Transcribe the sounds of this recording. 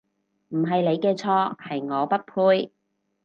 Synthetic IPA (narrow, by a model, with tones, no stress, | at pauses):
m̩˨˩ɦɐ˨jle˨˧jkɛː˧t͡sʰɔː˧˥hɐ˨jŋɔː˨˧pɐ˥t̚pʰuː˧j